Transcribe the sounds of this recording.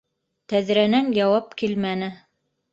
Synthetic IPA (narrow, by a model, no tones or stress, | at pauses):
t̪æðɾænænjɑwɑpkilmænɘ